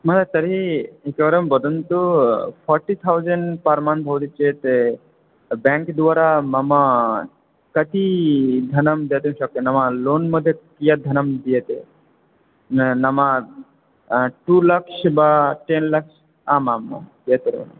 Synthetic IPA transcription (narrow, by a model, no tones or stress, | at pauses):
mɐt̪at̪ɐɾiekeʋɐɾɐmbɔd̪ənt̪upʰɔɾʈit̪ʰawzəɳɖpɐɾmanbʱɐʋt̪it͡ʃeʈ̪e | bɛ̃ŋkd̪uʋaɾamɐma | kɐt̪id̪ʱɐnɐmd̪et̪emʃɔkːenɐmaloːnməd̪ʱːjekijad̪ʱɐnɐmd̪ijet̪ḛ | nɐma | ʈulɐksbaʈenlɐks | aːmamːɐ̰ | et̪oɾɐ̰n̰